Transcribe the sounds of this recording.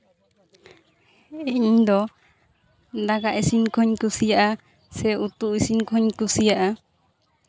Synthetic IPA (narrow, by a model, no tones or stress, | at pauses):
eɲd̪ɔ | d̪aɡaʔesiŋkoɲkusiaʔa | sɛut̪uisiŋkʰoɲkusiaʔa